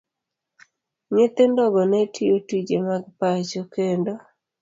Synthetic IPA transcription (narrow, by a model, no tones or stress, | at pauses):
ɲet̪endɔɡɔnetʰiotid͡ʒemaɡpat͡ʃokendo